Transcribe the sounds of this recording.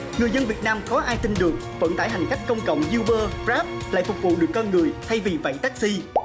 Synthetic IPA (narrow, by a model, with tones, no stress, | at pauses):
ŋɨ˨˩əjzə˧nvi˨˩ət̚naː˧mkɔ˨˦ʔaː˧jt̪i˧nɗɨ˨˩ək̚və̰˧˥nt̪a̰ː˧˩ɦa˨˩ŋ̟ka˦˥jk̟̚kə˧wŋ͡mkə̰˧˨wŋ͡mzi˧wɓəː˧fzaː˦˥p̚la̰ː˧˨jfʊ˨˩k͡p̚vṵ˧˨ɗɨ˨˩əkːɔ˧nŋɨ˨˩əjt̪ʰa˧jvi˨˩va̰˧˨jt̪aː˦˥k̚si˧